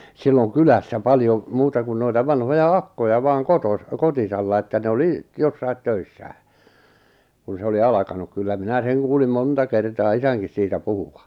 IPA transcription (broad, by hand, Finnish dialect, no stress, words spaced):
silːoŋ kylæsːæ pɑljo muːtɑ kun noitɑ ʋɑnhojɑ ɑkːojɑ ʋɑːŋ kotos kotisɑlːɑ etːæ ne oli josːɑit tøisːæː kun se oli ɑlɑkɑnuk kylːæ minæ seŋ kuːlim montɑ kertɑː isæŋkis siːtæ puhuʋɑ